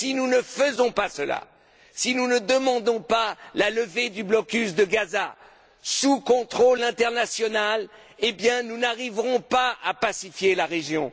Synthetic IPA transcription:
sinunəfəzɔ̃pasəla̰ | sinunəd̪əmɑ̃d̪ɔ̃palaləved̪yblɔkʲysd̪əɡaza | sukɔ̃t̪χolɛ̃t̪ɛʁnasjɔnal | ebjɛ̃nunaʁivʁɔ̃paa̰pasifjelaʁeʒjɔ̃

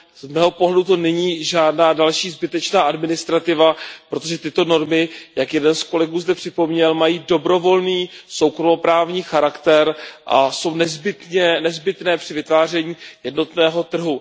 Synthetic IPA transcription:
zmɛːɦo̞po̞ɦlɛdut̪o̞nɛɲiːʒaːdnaːdalʃiːzbɪt̪ɛt͡ʃnaːʔadmɪnɪst̪ɾat̪ɪvapɾo̞t̪oʒɛt̪ɪt̪o̞no̞ɾmɪjakjɛdɛnsko̞lɛɡuːzdɛpr̥ɪpo̞mɲɛlmajiːdo̞bɾo̞vo̞lniːso̞wkɾomopɾaːvɲiːxaɾakt̪ɛɾʔa̰so̞wnɛzbɪt̪ɲɛnɛzbɪt̪nɛːpr̥ɪvɪt̪vaːr̝ɛɲiːjɛdno̞t̪nɛːɦo̞t̪r̩ɦu

